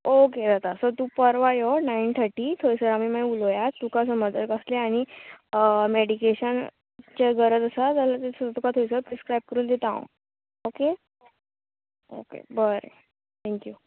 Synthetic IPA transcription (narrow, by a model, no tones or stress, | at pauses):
oked̪at̪asot̪uːpəɾʋajonaint̪ʰəɾʈit̪ʰojsəɾamimaiulojat̪ːukaəs̬əməd̪əɾkəsleaɽ̃i | meɽikeɕən | t͡ɕeɡəɾət̪əsad͡z̪alat̪esət̪ukat̪ʰojsəɾpɾiskɾajb̚kəɾuːnd̪et̪aõ̰ | oke | o̰kḛbəɾḛ | t̪ʰɛ̃ŋkju